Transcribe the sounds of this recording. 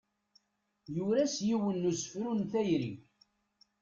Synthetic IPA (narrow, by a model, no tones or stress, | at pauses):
juɾæsjiwənːusə̥fɾunθæjɾḭ